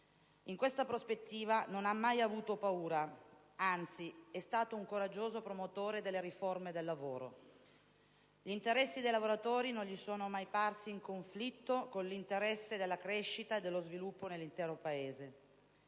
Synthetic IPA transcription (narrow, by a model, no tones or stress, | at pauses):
iŋkwest̪apɾospet̪ːiːvanonamːajavuːt̪opauːɾa | ant̪siɛst̪aːt̪ouŋkoɾad͡ʒːoːzopɾomot̪oːɾed̪elːeɾiformed̪elːavoːɾo̰ | ʎint̪eɾɛsːid̪ejlavoɾat̪oːɾinonʎisoːnomajparsiːŋkoɱflit̪ːokonlint̪eɾɛsːed̪elːakɾeʃːit̪aed̪ːelːozvilupːonelːint̪ɛːɾopaeːze